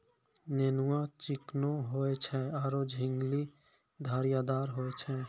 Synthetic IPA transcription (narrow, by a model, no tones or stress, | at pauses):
nenuwãt͡ʃɪknoɦoet͡ʃʰɛaɾod͡ʒʱɪŋɡli | d̪ʱaɾijad̪aɾɦoet͡ʃʰɛ